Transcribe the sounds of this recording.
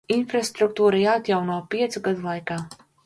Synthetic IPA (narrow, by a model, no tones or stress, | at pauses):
infɾast̪ɾuk̚t̪uːɾajaːat̪jawnuɔpiɛt̪suɡad̪ulˠajkaː